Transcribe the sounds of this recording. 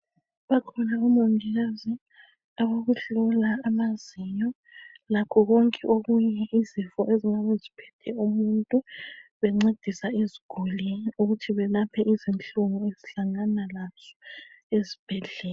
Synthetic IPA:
βakʰɔnaumondʱiɣazi | aβoɣuɬɔlaːmazijɔ | lakʰɔɣoŋkʼɛʔoɣuɲɛʔizifɔʔezinaβuzipʰɛ̥tʰɛumuntʼuβɛŋ͡ǀed̥ʱisaiziɡ̥ʱuliuɣutʰiβɛlapʰɛʔizint͡ɬʼuŋueziɬaŋanalaz̥ɔezib̥ʱɛɮɛː

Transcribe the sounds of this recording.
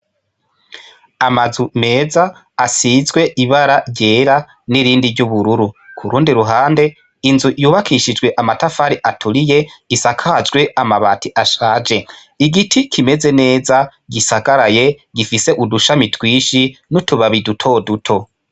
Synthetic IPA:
amazume̞ːzaː | sizɡwe̞ʔiβaɾaɟe̞ːɾa | niɾiːndiɾɟuβuɾuɾukʰuɾuːndiɾuɦaːnde̞ | inzuʔjuːβakʰiʃid͡ʒɡwe̞ʔamatafaɾiʔatʰuɾije̞̥isakʰad͡ʒɡwe̞amaβatʰiʔaʃaːd͡ʒe̞ | iɡitʰikʰime̞ze̞ne̞ːzaɡisaɡaɾaje̞ɡifise̞ʔuduʃamitwiːʃinutuβaβidutʰo̞dutʰo̞

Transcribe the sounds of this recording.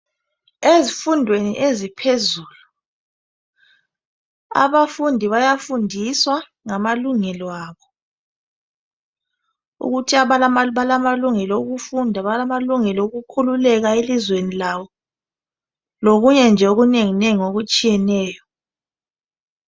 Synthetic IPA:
ezifundʱwenḭʔezipʰezuːlu | a̰βafundʱiβajafundʱiswa | ŋamaluŋɛlɔaːβɔ | ṵɣutʰiaβalamaβalamaluŋɛlɔuɣufundʱaβalamaluŋɛlɔuɣukʰululɛɣaelizwenilawɔ | loɣuɲɛnd͡ʒʱɛoɣuneŋineŋioɣut͡ʃʼijɛnɛːjɔ

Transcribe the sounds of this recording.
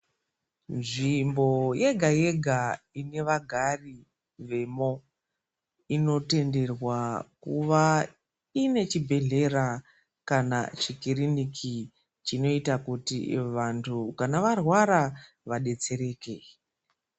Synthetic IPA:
nʐimbo̞je̞ɡʱaje̞ɡʱaine̞ʋaɡʱari | ʋe̞mo̞ | ino̞te̞nde̞rwakuʋa | ine̞t͡ʃibʱe̞ɮe̞ɾa | kana̰t͡ʃikirinikʰi | t͡ʃino̞itakutḭʋantʰukanaʋarwaɾa | ʋaɗe̞t͡se̞ɾe̞ːke̞

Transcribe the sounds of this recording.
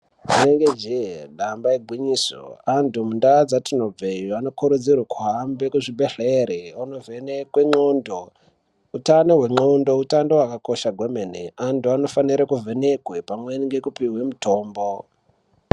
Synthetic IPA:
d͡ʒineŋɡed͡ʒeɗambaeɡʱwiɲiːso̰antumundad͡zatino̞b͡vejoano̞koɾud͡zirwakuɦambe̞kuʐibʱeɬeɾeanovenekweŋ͡ǃondo | utanoɦwe̞ŋ͡ǃondo̞utandowakako̞ʃaɡʱwe̞meneantuano̞faniɾakuvʱe̞ne̞kwe̞pamweniŋɡekupiwe̞muto̞ːmbo̞

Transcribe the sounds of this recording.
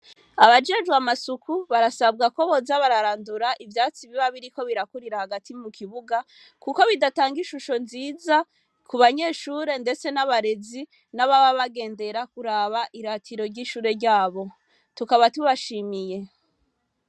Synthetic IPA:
aβad͡ʒe̞ʒɡwamasukʰuβaɾasabɡako̞βo̞zaβaɾaɾaːnduɾaʔivjaːt͡siβiβaβiɾiko̞βiɾakuɾiɾahaɡatʰimukʰiβuɡa | kuko̞βidataːŋɡiʃuʃo̞nziːza | kuβaɲe̞ːʃuːɾe̞ndet͡se̞naβaɾe̞zi | naβaβaβaɡe̞ːnde̞ɾakuɾaːβaʔiɾatʰiɾo̞ɾɟiːʃuːɾe̞ɾɟaːβo̞ | tukaβatuβaʃiːmije̞

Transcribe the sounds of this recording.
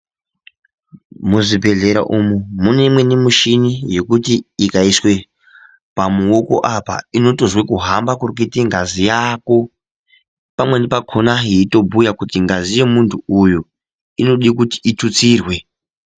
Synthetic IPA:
muzibʱe̞ɮe̞ɾa̰ʔumumune̞imwe̞nemuʃinije̞kutiikaiswe̞ | pamuoko̞̰ʔapa̰ino̞to̞ʐwe̞kuɦambakurk̬itiŋɡazijako̞ | pamwe̞nepakʰonaɦiito̞bujakutiŋɡazije̞muntʰuuju | ino̞ɗikuti̥ʔitut͡sirwe̞

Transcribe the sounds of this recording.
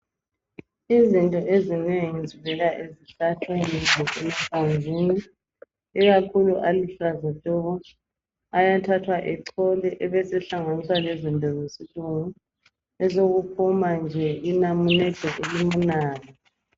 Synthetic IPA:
izintʼɔʔezineŋid͡zʱiβɛɣaʔeziɬatʰweniɔɛmapʰanzʱiːniː | ɣakʰuluʔaliɬazaɬɔɣɔ | ajatʰatʰwaʔɛǀʰɔlɛʔɛβɛsɛɬaŋanisalezintʼɔzesiluŋu | ɛzoɣupʰumand͡ʒʱɛinamunɛd̥ʱɛʔelimunaːla

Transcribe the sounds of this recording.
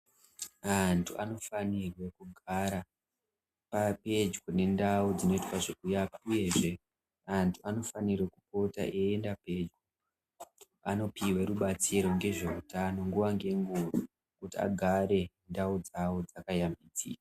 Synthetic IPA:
antʰuʔano̞fanirwe̞kuɡʱaɾa | pape̞d͡ʒɡone̞ndaud͡zino̞itwaʐokujapauje̞ʐe̞ | antʰuano̞fanirwekupo̞ta̰ʔeendape̞d͡ʒɡo | a̰no̞piwe̞ɾuɓat͡siɾo̞ŋɡe̞ʐe̞utano̞ŋɡuʋaŋɡe̞ŋɡuu | kutia̰ɡʱaɾe̞ | ndaud͡zaod͡zakajamid͡zḭka

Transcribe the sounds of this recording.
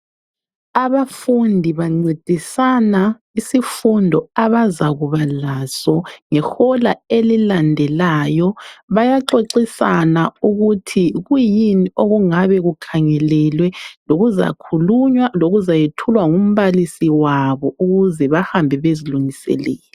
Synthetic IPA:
aβafundʱiβaŋ͡ǀed̥ʱisana | isifundʱɔaβazaɣuβalasɔŋɛxɔlaelilandʱɛlaːjɔβajaǁeǁisanauɣutʰiɣujinioɣuŋaβɛɣukʰaŋɛlɛlwɛloɣuza̰kʰuluɲwaloɣuzajetʰulwaŋum̩βalisiwaβɔuɣuzɛβahambʱɛβeziluŋisɛ̰lɛ̰ːlɔ

